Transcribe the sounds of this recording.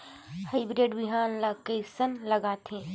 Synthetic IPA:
haɪbɾeːɖbɪɦaːnlakesənlɐɡaːt̪ẽː

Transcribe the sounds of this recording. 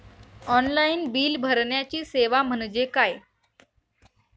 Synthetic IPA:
ɔnlainbiːlbʱəɾɳjat͡ɕiːseʋam̤əɳd͡ʑekaj

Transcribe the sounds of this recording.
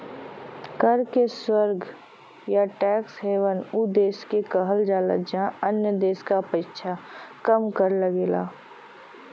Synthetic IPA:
kəɾkeswəɾɡʱ | jaʈɛːksɦeːʋənud̪eːskekəɦəld͡ʒaːlə̰d͡ʒãənjəd̪eːskapəɪʃʰakəmkəɾləɡeːla̰ː

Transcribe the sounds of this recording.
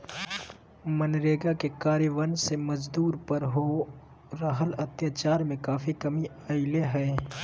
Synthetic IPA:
mənɾeːɡakekaːɾjəʋənseməd͡ʒd̪uːɾpəɾɦo | ɾəɦələt̪jaːt͡ʃaːɾmẽkaːfikɐmi | əːɪleɦɛː

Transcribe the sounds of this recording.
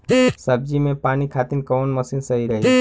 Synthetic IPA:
səb̚d͡ʒimẽpaːnikʰaːt̪inkɔːnməsinsəɦiɾəɦi

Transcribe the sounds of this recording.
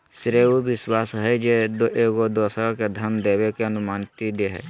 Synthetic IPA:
sɪɾeːubɪswaːsɦɛd͡ʒed̪oʔeːɡod̪oːsɾãked̪ʱəmd̪eːʋekeɐnʊmaːnt̪id̪eɦɛ̰ː

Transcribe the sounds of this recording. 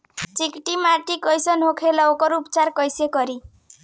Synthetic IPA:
t͡sikiʈimaɾʈikʌjsʌnɦokʰelʌwkʌɾupt͡sarkʌjsekʌɾi

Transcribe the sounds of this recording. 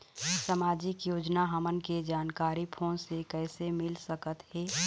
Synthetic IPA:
səmaːd͡ʒɪkjoːd͡ʒnaɦəmənked͡ʒaːnkaːɾipʰoːnsekɛːsemɪlsəkət̪hɛː

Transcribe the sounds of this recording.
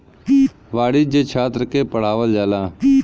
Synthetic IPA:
ʋaːɽɪd͡ʒet͡ʃʰaːt̪ɾəkepəɽ̤aːʋəld͡ʒaːlãː

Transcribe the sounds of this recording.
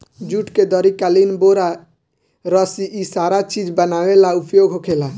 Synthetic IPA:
d͡ʒuʈked̪əɾikalinboɾa | ɾɔsiʔisaɾat͡ʃid͡ʒbənawelaupjoɡɦokʰela

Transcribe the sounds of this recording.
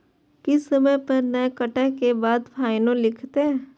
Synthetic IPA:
kɪsəməjpɐɾnəekəʈəɦkebaːd̪pʰaːɪnõlɪkʰt̪eɦɛ̃ː

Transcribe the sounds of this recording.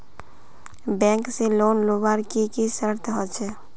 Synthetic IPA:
bɛ̃ːŋkseloːnlobaɾkikisəɾt̪ʰɦɔt͡ʃʰe

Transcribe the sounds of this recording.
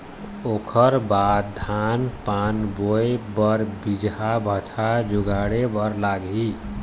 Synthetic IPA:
okʰəɾbad̪d̪ʱanpanbojbəɾbid͡ʒɦabʱət͡ʃʰad͡ʒuɡaɽebəɾlaɡɦi

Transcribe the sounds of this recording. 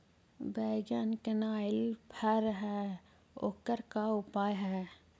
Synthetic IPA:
bɛːɡjankənaːɪlpʰɛɾɦɛː | o̰kəɾkaʊpaːjɦɛː

